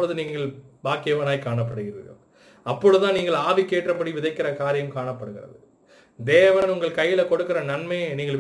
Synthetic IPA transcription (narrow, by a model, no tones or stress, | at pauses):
ɭɐðɯniːŋɡɡɐɭbaːkːejɐʋɐnaːjkaːɳɐpːɐɽɯɣɪɾɐ̰ðɐ̰ | ɐpːɔɻɯðɯðt̪ãːniːŋɡɐɭaːʋikːeːʈrɐpɐɽiʋɪðɐɪkːɪɾɐkaːɾɪjɐmkaːɳɐpːɐɽɯɣɪrɐ̰ðɯ | d̪eːʋɐnʊŋɡɐɭkɐjːɪlɐkɔɽɯkːɪɾɐnɐnmɐjniːŋɡɐɭ